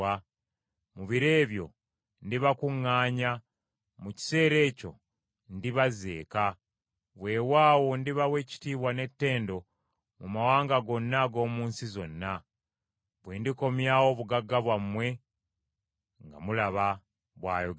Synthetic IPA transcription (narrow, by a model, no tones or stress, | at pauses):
a | muβiɾe̞ːβjo̞̰ | ndiβakuŋːaːɲa | muci̥se̞ːɾe̞ːco̞̰ | ndiβaze̞̰ːka | βwe̞ːwaːwo̞ndiβawe̞ːci̥tiːβwane̞tːe̞ːndo̞ | mumawaːŋɡaɡo̞nːaɡo̞ːmuːnsizo̞nːa | βweːndiko̞mjawo̞βuɡaɡːaβwamwe̞ | ŋɡa̰mulaβa | βwa̰ːjo